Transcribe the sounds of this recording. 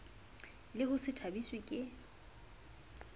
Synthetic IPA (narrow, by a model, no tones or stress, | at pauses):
lɪhʊsɪtʰabiswɪkʼɪ